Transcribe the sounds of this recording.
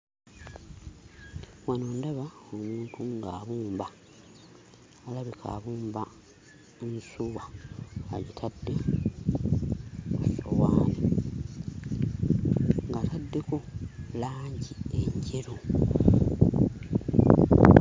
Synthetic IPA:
wanoːndaβaomuːntʰuŋɡaːβuːmba | laβikʰa̰ːβuːmba | nsuwaː | jitʰadːe̞ | owaːni | ŋɡatadːe̞ko̞laːɲɟieɲɟeɾo

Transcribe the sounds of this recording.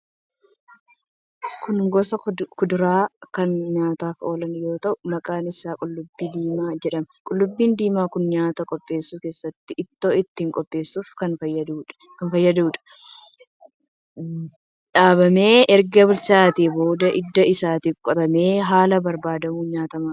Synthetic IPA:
kʊnɡɔsɐkʊd̪ʊɾaːkɐnɲaːt̪aːfo̞ːlɐnjo̞ːt̪ɐʔʊmɐkʼaːnɪsaːkʼʊlːʊbːiːd̪iːmaːd͡ʒɛᶑɐmɐkʼʊlːʊbːiːnd̪iːmaːkʊnɲaːt̪ɐkʼɔpʼːe̞ːsːuːke̞ːsːɐt̪ːɪʔɪt̪ːoːɪt̪ːiːŋkʼɔpʼːe̞ːsːuːfkɐnfɐjːɐd̪uːᶑ | kɐnfɐjːɐd̪uːᶑɐ̥ | ᶑaːβɐme̞ːʔɛɾɡɐbʊlt͡ʃaːt̪iːbo̞ːd̪ɐʔɪd̪ːɐɪsaːt̪ɪkʼːɔt̪ɐmeːɦaːlɐbɐɾbaːd̪ɐmuːɲaːt̪ɐmaː

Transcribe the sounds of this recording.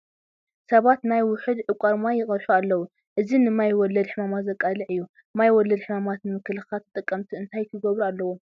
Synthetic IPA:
sɐβat̪najwʊħɨd̪ʕɨkʷʼaɾmajːɪχʼɐɾħualːɐwu | ʔɨzinɨmajwɔlːɐd̪ħɨmamat̪zɐkʼːalɨʕɨjːu | mːajwɔlːɐd̪ħɨmamat̪nɨmɨkʰɨlɨxat̪ʰːɨt̪ʼɨkʼːɐmt̪ʰiɨnt̪ʰajkʰɨɡɐβɾualːɐwo

